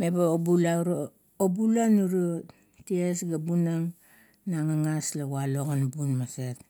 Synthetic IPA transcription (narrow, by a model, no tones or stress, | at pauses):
mebaobulaɾo | obulanuɾu | tiesɡabunaŋ | naŋaŋaslaɡwaloɣanbunmaset